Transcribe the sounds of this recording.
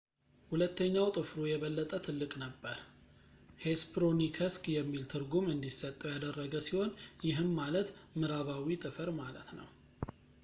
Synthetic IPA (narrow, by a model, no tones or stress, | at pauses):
hulət̪ːəɲːawt̪ʼɨfɾujɛβəlːət̪ʼət̪ʰɨlːɨkʼnəbːəɾ | hespɾonikʰəskʼjɛmːilt̪ʰɨɾɡumɨnd̪isət̪ʼːəwjad̪ərːəɡəsiho̞njɪɦɨmːalət̪mɨɾaβawit̪ʼɨfəɾmalə̰t̪nə̰w